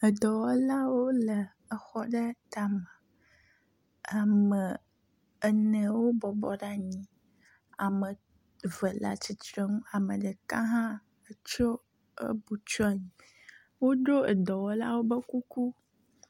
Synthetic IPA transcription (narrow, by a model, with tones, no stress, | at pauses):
ə˨d̪ɔ˨wɔ˦la˦wo˦lə˨ | ə˨xɔ˦ɖə˦t̪a˨mã˨ | a˨mə˨ | ə˨nə̃˨wo˦bɔ˨bɔ̰˦ɖa˦ɲĩ˨ | a˨mə˨ | və˨la̰˨t͡ɕi˨t̪ɾe˦ŋũ˦a˨mə˨ɖə˨kã˦ɦã˦ | ə˨t͡ʃo˦ | ə̰˦bu˨t͡ʃɔ˦a˨ɲĩ˨ | wo˦ɖo˦ə̰˨d̪ɔ˨wɔ˦la̰˦wo˦bə˦ku˦ku˦